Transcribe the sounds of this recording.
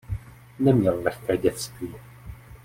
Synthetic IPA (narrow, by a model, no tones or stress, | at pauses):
nɛmɲɛllɛxkɛːɟɛt͡st̪viː